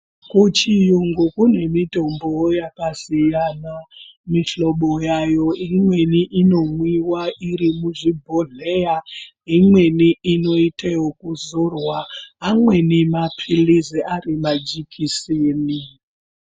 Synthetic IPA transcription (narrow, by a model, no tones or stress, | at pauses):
kut͡ʃijuŋɡukune̞mito̞mbojakasijanamiɬoɓojajo̞imwe̞niʔino̞mwiwaʔiɾimuʐibʱoɮeja | imwe̞niʔino̞itejokuzorwaːmwe̞nimapʰiliziʔarimad͡ʒikʰisiːni